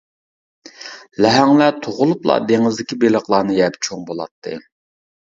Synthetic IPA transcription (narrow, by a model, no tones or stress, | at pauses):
lɛɦɛŋlɛt̪ʰoʁʊlˠuplˠɑ̰d̪eŋɪzd̪ɪkʲibeləχlˠɑːnɨjæɾd̪ɛt͡ʃʰoŋbolˠɑ̰t̪ʰːɨ̰